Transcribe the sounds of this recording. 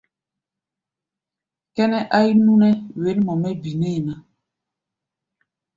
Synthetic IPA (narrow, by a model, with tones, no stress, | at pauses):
kɛ˦nɛ˦ʔa˦i˦nu˦nɛ˦we˨˦nmɔ˨mɛ˦bi˨ne˦˨na˨